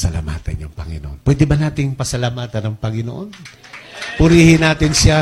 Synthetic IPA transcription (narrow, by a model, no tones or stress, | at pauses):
sɐla̰ma̰ːt̪ɐnjʊŋpɐŋɪ̰noʔonpwɛːd̪ɛbɐnaːt̪ɪŋpɐsɐlamaːt̪ɐnɐŋpɐŋɪno̰ʔo̞n | pʊɾiːhɪnaːt̪ɪnʃa